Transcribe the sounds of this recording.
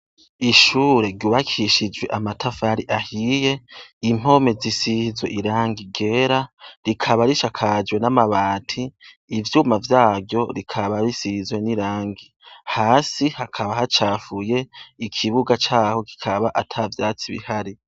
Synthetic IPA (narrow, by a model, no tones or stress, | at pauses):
iʃuːɾe̞ɾɟuːβakʰiʃid͡ʒwe̞ʔamatʰafaɾiʔahije̞im̥o̞me̞zisizwḛʔiɾaːŋɡiɡe̞ɾaɾikʰaβaɾiʃakʰad͡ʒwe̞namaβaːtʰiː | vjuːmavjaːvjo̞ɾikʰaβaβisizwe̞niɾaːŋɡi | haːsihakʰaβahat͡ʃaːfuje̞ikʰiβuɡat͡ʃaːho̞ki̥kʰaβaʔatʰavjaːt͡siβḭhaɾi